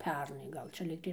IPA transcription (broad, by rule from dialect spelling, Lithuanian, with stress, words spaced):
ˈpʲɛrnɐɪ ˈɡɐlˠ t͡ʃʲɛ ˈlʲiːktɐɪ